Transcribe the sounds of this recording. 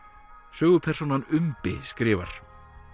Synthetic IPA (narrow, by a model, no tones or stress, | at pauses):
sœːɣʏpʰɛr̥sunanʏmpɪskɾɪːva̰ɾ̥